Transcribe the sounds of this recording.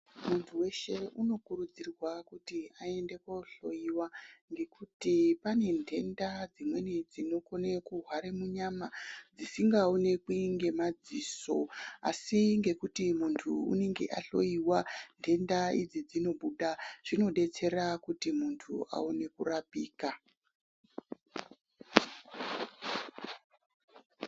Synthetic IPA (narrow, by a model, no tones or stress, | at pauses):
muntʰuwe̞ʃe̞uno̞kuɾud͡zirwakutiae̞nde̞ko̞ɬo̞jiwaŋɡe̞kutipane̞ndʱe̞ndad͡zimwe̞nid͡zino̞ko̞nekuɦwaɾemuɲamad͡zisiŋɡaone̞kwiiŋɡe̞mad͡ziso̞a̰siŋɡe̞kutimuntʰuṵne̞ŋɡe̞̰ʔaɬo̞iwandʰʱe̞ndaid͡zid͡zino̞ɓuɗaʐ̥ino̞ɗe̞t͡se̞ɾakutimuntʰua̰one̞kurapiːka